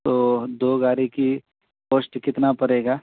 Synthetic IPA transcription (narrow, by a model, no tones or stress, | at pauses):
t̪oːd̪oːɡaːɾiki | poːsʈkɪt̪napɐɽeːɡaː